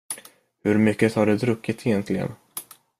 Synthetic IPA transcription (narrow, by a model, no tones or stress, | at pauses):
hɵɾmʏkːət̪ʰaɖɛd̪ɾɵkːɪt̪sɛjɛnt̪ʰlɪɡə̰n